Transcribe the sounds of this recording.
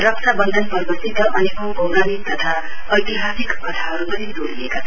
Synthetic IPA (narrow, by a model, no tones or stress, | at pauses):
rʌksabʌnd̪ʱʌnpʌrbʱʌsit̪ʌʔʌnekʌmbʱowɾanit̪ʌt̪ʰa | ʌjt̪iɦasikkʌt̪ʰaɦʌɾupʌnid̪oɾiekat͡sʰ